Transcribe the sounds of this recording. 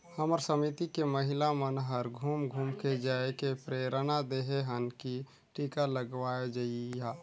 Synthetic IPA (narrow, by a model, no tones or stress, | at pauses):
həməɾsəmit̪ikeməɦɪlamənɦəɾɡʱuːmɡʱuːmked͡ʒaːekepɾeːɾənad̪eɦeɦənki | ʈikaləɡʋaːed͡ʒaija